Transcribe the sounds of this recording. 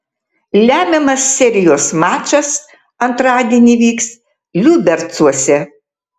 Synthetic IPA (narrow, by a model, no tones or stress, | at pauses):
lʲæːmʲɛmɐsːʲɛɾʲɪjoːsmɑːt͡ʃʲɐs | ɐnt̪ɾɑːd̪ʲiɛnʲiːʋʲiːks | lʲubʲɛɾt̪suɔsʲɛ